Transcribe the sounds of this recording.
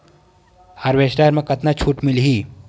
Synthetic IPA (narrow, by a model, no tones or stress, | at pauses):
haɾʋeːsʈaːɾmẽkɐt̪nat͡ʃʰuːʈmɪlɦiː